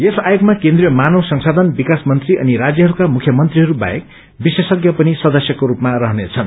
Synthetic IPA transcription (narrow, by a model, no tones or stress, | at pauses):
esajoɡmakẽnd̪rijʌmanʌwsʌŋsad̪ʱʌnbikasmʌnt̪riʔʌ̰niɾad͡zjʌɦʌɾukamukʰjʌmʌnt̪riɦʌɾuba̰jḛk | bisesʌɡjʌpʌnisʌd̪ʌsjʌkoɾupmarʌɦʌnet͡sʰʌn